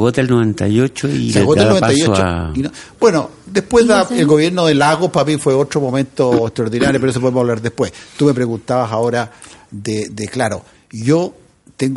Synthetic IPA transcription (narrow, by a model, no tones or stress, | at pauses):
ɣot̪alnoβent̪a̰jot͡ʃoḭɣoaelnoet̪ajot͡ʃoinob̥we̞no | d̪ehpwezðaelɡoβje̞ɾnoðelaɣopapifweotɾomomẽnt̪oekt̪ɾaoɾðinaɾjopeɾoes̬opoðemsaβlaɾðehpwest̪ume̞pɾeɣunt̪aβasaoɾaðed̪eklaɾo | ʝo | t̪eŋɡ